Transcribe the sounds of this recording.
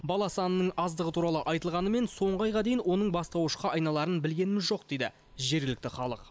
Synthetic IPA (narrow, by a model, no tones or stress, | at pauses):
bɑlˠɑsɑnəːəɴɑzd̪əʁət̪ʰuɾɑlˠəʔɑjt̪əlˠʁɑnəme̞nso̞ɴʁɑjʁɑd̪ejɪnwo̞nəɴbɑst̪ɑwəʃqɑʔɑjnɑlˠɑɾənbɪlɡʲe̞nɪmɪzʒoqd̪e̞jd̪ɪ̰ | ʒe̞ɾɡʲɪlɪk̚t̪ɪχɑlˠə̰q